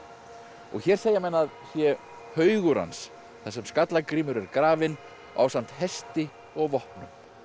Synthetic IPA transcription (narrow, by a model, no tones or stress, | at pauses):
ɔ̰ɣçɛɾ̥seːjamɛnːaðsjɛ | hœːɥɣʏɾa̰ns | θɛsɛmskat̪lakɾiːmʏɾɛɾkɾaːvɪn | ʔa̰wsam̥t̪hɛst̪ɪ | ɔɣvɔhpnʏ̰m